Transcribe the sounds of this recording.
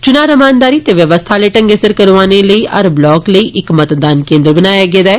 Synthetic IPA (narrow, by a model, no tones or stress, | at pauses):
t͡ʃʊnaːɾəmaːnd̪aːɾiːt̪eːʋjəʋəst̪ʰaːleːʈə̃ŋɡesəɾkəɾʋaːneləiːʔɐɾblɔːkləiːʔɪkmət̪d̪aːnkẽːnd̪ɾbənaːjaːɡeːd̪aːɛː